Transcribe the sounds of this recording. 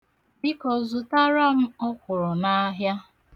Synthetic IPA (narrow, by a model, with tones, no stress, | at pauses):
bɪ˦kɔ˨zʊ˨ta˦ɾa˦m̩˦ɔ˦kʷʊ˨ɾʊ˨na˦a˦ɦja˦